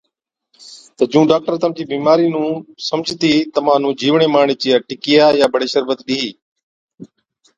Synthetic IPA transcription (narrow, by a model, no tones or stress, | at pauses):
t̪əd͡ʒũːɖaːk̚ʈəɾt̪əmd͡ʒiːbiːmaːɾiːnũːsəmd͡ʒʱt̪iːt̪əmãːnũːd͡ʒiːʋɳeːmaːɳeːt͡ʃɪjaːʈɪkɪjaːjaːbəɽeːʃəɾbət̪ɗiːiː